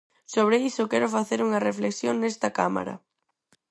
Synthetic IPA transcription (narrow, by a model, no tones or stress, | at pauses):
soβɾeisʊkɛɾʊfaθeɾuŋɐrefleksjoŋnɛst̪ɐkama̰ɾɐ̰